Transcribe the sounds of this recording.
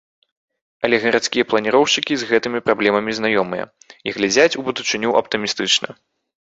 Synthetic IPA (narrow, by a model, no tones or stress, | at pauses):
ɐlʲɛɣɐɾat̪skʲijɐplˠɐnʲiɾɔwʂɨkʲizɣɛt̪ɨmʲipɾablʲɛmɐmʲiznajɔmɨjɐ̰ | iɣlʲad͡zʲat͡sʲubud̪ut͡ʂɨnʲuʔɐpt̪ɨmʲist̪ɨt͡ʂnɐ̰